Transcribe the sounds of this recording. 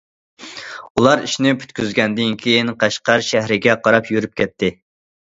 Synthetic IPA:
ulˠɑɾiʃnɪpʰy̥t̪kʲyzɡʲɛnd̪ɪnkʲʰejinqʰɑʃqɑɾʃæɦɾɪɡʲɛqʰɑɾɑpjyɾyp̚kʲʰɛt̪ʰːɪ

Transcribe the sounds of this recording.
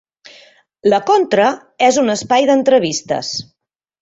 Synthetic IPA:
ləkont̪ɾə | ɛzunəspajðənt̪ɾəβist̪ə̰s

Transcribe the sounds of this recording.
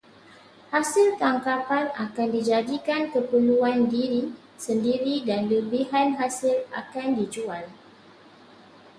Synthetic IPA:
hasilt̪aŋkapanakandid͡ʒadikankəpəluandiɾi | səndiɾidanləbiɦanɦasila̰kandid͡ʒual

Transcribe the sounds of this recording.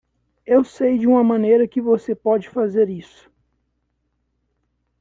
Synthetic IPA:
ewsejd͡ʒɪũmɐmɐ̃nejɾɐkɪvosepɔd͡ʒɪfazeɾisʊ̥

